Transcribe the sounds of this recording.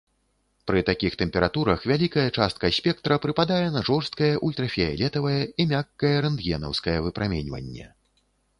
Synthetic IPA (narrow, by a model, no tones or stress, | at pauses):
pɾɨt̪akʲixt̪ɛmʲpʲɛɾat̪uɾɐxvʲalʲikɐjɛt͡ʂast̪̚kɐsʲpʲɛkt̪ɾɐpɾɨpad̪ajɛnɐʐɔrst̪̚kɐjɐʔulʲt̪ɾɐfʲɛjɛ̰lʲɛt̪ɐvɐjɐimʲakːɐjɐɾɛnd̪jʲɛnɐ̰wskɐjɛvɨpɾʔamʲɛnʲvɐ̰nʲːɛ̰